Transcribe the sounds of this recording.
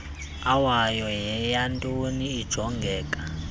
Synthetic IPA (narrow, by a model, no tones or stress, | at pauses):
awajɔjɛjantʼoniːd̥ʒ̥ʱɔŋɡʱɛːkʼa